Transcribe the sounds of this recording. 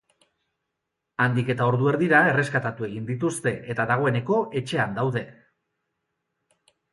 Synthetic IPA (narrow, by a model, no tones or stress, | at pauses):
and̪ike̞t̪ao̞ɾðue̞ɾðiɾae̞re̞skat̪at̪ue̞ɣind̪it̪̬ust̪e̞ʔet̪aðaɣ̞o̞e̞ne̞ko̞ʔe̞t͡ʃe̞and̪awðe̞